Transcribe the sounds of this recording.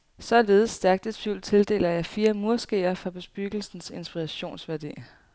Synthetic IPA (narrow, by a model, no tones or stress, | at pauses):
sɒ̽le̝ːð̞̩ˠsːd̥æɐɡ̥d̥e̝d̥fyld̥̚t͡sʰe̝ld̥e̝̰ːlɐjɑ̈ɪfiːɐmuɐsɡ̥ḛːɐfʁɑ̈b̥e̝sb̥yɡ̥l̩sn̩se̝nsb̥iʁɑɕo̝̰ːnsʋæɐd̥ḭːɐ